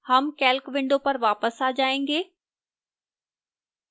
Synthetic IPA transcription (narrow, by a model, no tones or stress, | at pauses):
hɐmkɛːlkʋɪ̃ɳɖopɐɾʋaːpəsaːd͡ʑaːẽːŋ̆ɡeː